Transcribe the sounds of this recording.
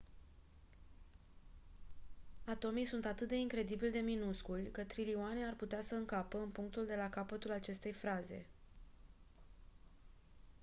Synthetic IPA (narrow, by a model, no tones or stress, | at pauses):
at̪o̞mijsunt̪at̪ɨt̪̚d̪e̞iŋkɾe̞d̪ibilʲd̪e̞minuskulʲkət̪ɾilioane̞arput̪easəɨŋkapəɨnpuŋk̚t̪uld̪e̞lakapət̪ulat͡ʃe̞st̪e̞jfɾaze̞̰